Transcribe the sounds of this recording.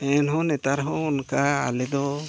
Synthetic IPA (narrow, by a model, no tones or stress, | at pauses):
ɛnɦɔ̃nɛt̪aɾɦɔ̃ɔnkaa̰lɛd̪ɔ